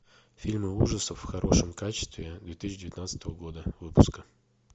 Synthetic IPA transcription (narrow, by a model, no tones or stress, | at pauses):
fʲilʲmɨuʐəsəfːxɐɾʔo̞ʂɨmkat͡ɕɪ̥st̪vʲɪd̪vʲet̪isʲːɪdʲɪvɪt̪nat̪sə̥t̪əvəɡo̞d̪əvɨpʊ̥skə